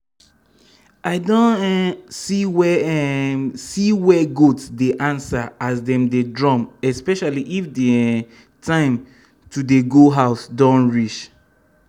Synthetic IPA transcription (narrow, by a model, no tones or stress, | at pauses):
ʔaɪdɔ̃nsiwɛ | siwɛɡotsdeʔãnsaasdɛ̃mdedɹɔ̃mɛspɛʃaliʔifde | tʰãɪ̃m | tʰudeɡoɦaʊsdɔ̃nɹit͡ʃ